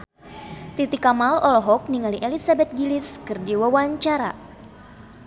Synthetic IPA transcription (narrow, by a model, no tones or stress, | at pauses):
t̪it̪ikamalɔlɔɦɔk̚niŋaliʔɛlisabɛt̪̚ɡiliskɨrdiwawaɲt͡ʃaɾa̰